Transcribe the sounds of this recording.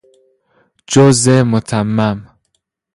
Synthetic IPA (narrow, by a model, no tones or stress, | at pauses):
d͡ʒozemot̪ʰamːam